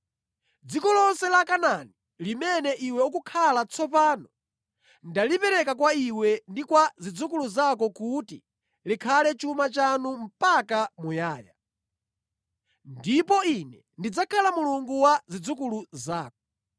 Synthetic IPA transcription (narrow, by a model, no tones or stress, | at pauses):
d͡zikɔlɔnsɛlakanani | limɛnɛʔiwɛukukʰalat͡sʰɔpaːnɔ | ndalipɛɾɛkakwaiwɛndikwazid͡zukuluzak̬ɔkutḭ | likʰalɛt͡ʃumat͡ʃanum̩pakamujaːja | ndipɔinɛ | ndid͡zakʰalamuluŋɡuwazid͡zukuluzaːkɔ̥